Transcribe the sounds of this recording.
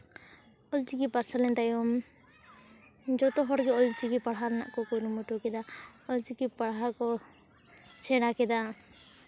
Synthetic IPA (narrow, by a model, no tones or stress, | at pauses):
ɔlt͡ʃikipaɾsalɛnt̪ajɔm | d͡ʒɔt̪ɔɦɔɾɡɛɔlt͡ʃikipaɽɦaɾna̰ʔkɔkɔɾumuʈukɛd̪aɔlt͡ʃikipaɽɦakɔ | sɛɽakɛd̪a